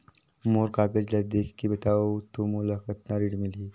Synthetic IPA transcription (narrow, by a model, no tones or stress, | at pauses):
moːɾkaɡəd͡ʒlad̪ekʰkibət̪aot̪umulakət̪naɾiʈmiliː